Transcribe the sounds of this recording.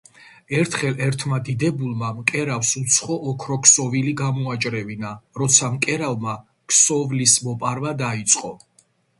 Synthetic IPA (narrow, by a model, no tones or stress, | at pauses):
ɛɾt̪ʰχɛlɛɾt̪ʰmad̪id̪ɛbulˠmamkʼɛɾafsut̪sʰχɔʔːkʰɾɔkʰsɔviliɡamɔat͡ʃʼɾɛvinaɾɔt̪sʰamkʼɛɾalma | kʰsɔvlismɔpʼaɾvad̪ait̪sʼqʼɔ